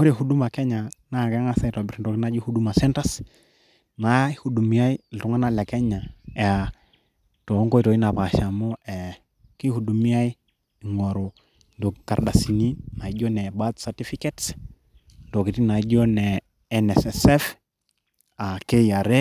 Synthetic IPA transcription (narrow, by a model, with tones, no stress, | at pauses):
ho˦ɾe˨ɦu˨du˦ma˨kɛ˦ɲa˨na˦˨kɛ˦ŋa˦sa˦˨tɔ˨bi˦ɾi˦ndɔ˨kna˦d͡ʒu˦hu˦du˦ma˨sɛ˦nta˦s | na˨˦i˦hu˨du˨mi˦a˦i˦ltu˨ŋa˦na˦la˨kɛ˦ɲa˨a˨ | tɔ˨˦ŋɡɔ˦i˦tɔ˨i˦na˨pa˨ʃa˨mɔ˦ɛ˨ | ki˦hu˨du˨mi˦a˦i˦ | i˨ŋɔ˨ɾo˨ | ndo˨ka˨ɾɗa˨si˨ni˦na˨i˦d͡ʒɔ˦nɛ˨ba˦tsa˨ti˦fi˦kɛ˦ts | ndɔ˨ki˨ti˦na˨i˦d͡ʒɔ˦nɛ˨ | ɛ˨nɛ˨sɛsɛ˦f | a˨ke˦ia˨ɾe˦